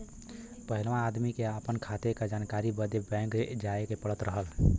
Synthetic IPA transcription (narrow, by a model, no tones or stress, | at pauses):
pəɦilmãːd̪mikeəpənkʰat̪ekad͡ʒankaɾibəd̪jebɛ̃ŋked͡ʒaekepəɽət̪ɾəɦəl